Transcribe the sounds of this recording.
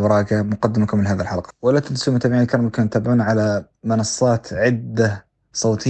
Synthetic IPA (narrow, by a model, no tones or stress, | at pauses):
bɑɾˤɑːɡamʊqɑd̪ːɪmakʊmːɪnɦaːðilħalqɑ̥walːat̪ad̪suːmt̪ambaʕinlkɑɾˤɑmkanjt̪ːaːbɪʕuːnʕala | mɑnɑsˤːɑːt̪ʕɪd̪ːa | sˤoːt̪ʰɪ